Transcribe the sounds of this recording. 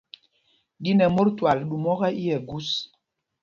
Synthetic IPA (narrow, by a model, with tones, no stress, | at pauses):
ɗi˦nɛ˨mo˦ɾtwa˨lɗu˨mɔ˦ɣɛ˦ʔi˦jɛ˨ɡu˦s